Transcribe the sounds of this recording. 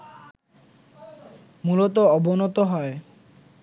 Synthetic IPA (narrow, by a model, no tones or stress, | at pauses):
mulɔt̪̬ɔɔbɔnɔt̪ɔɦɔe